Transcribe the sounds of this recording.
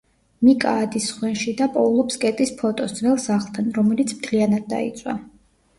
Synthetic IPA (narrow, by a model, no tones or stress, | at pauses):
mikʼa̰ːd̪isχwɛnʃid̪apʼɔulˠɔpskʼɛt̪ʼispʰɔt̪ʼɔsd̪zvɛlˠsaʁlˠt̪ʰanɾɔmɛlit̪sʰmt̪ʰlianad̪̚ːa̰ḭt̪sʼwa̰